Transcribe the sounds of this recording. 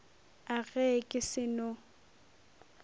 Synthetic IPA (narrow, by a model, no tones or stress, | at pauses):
aɣɛkʼɪsɪnʊ